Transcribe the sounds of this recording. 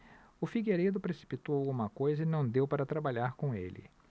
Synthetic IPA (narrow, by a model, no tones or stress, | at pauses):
ʊfiɡeɾed̪ʊpɾesi̥pit̪owawɡũmɐkojzɐinɐ̃w̃d̪ewpaɾɐt̪ɾabaʎaɾkõḛlɪ̰